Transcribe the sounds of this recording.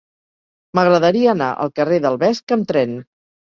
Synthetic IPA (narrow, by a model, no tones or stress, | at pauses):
məɣɾəðəɾiəːna̰ʔə̰lˠkəreðəlˠβɛskəmt̪ɾɛn